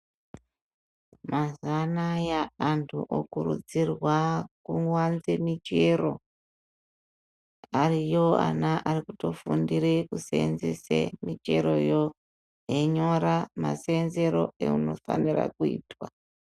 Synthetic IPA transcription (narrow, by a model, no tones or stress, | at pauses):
mazanajaːntʰuʔokurud͡zirwakuŋwanzemit͡ʃe̞ɾo̞ | arijo̞a̰naʔarikuto̞fundiɾekusḛnzesḛmit͡ʃeɾo̞jo̞ | jeɲo̞ɾama̰senze̞ɾo̞ḛuno̞fa̰nira̰kuḭːtwa